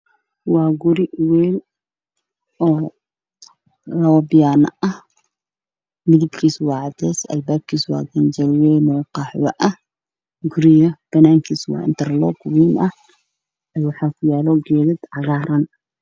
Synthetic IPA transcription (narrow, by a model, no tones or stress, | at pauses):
wɑːɡʊɾɪwɛːl | ʔɔː | lɐwɐbɪjanɐɐh | mɪðɪbkʰiːswɑːʕɑd̪ɛːsɐ̰lbaːb̚kʰiːswɑ̰ːɡɐnd͡ʒɐlwɛːnɔːqɑːħwɐ̰ʔɐh | ɡʊɾɪjɐb̥ɐnaːŋkʰiːswɑ̰ːɪnt̪ʰɐrlɔːɡwiːnʔɐh | ɛːwɑħɑːkʰʊjaːlɔɡɛːðɐd̪ʕɑɣaːɾɐn